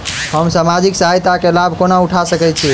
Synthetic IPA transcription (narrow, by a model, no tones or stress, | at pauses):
həmsamad͡ʒiksaɦajt̪akelabʱkonauʈʰasəkɛt͡ʃʰi